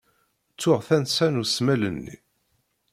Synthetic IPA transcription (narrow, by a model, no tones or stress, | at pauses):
t͡sːʊʁθænsænusmælənːḭ